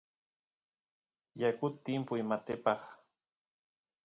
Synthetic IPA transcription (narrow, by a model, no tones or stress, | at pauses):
jakʊt̪ːɪmpʊjmat̪ɪpɑχ